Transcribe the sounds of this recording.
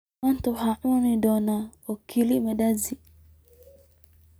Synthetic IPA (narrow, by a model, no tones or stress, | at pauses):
ant̪ohaʔnidɔnaokʰilimedazi